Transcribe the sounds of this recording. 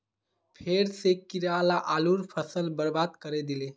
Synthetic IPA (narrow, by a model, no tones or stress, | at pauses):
pʰeɾsekiɾalaʔaluɾpʰəsəlbəɾbad̪kəɾed̪ile